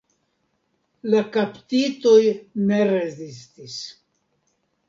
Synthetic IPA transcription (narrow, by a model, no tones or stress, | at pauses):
lakapt̪ito̞jne̞ɾe̞zistis